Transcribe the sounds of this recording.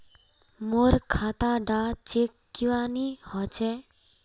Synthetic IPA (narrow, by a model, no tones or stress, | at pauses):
moɾkʰat̪aɖat͡ʃekːiwanihɔt͡ʃɛ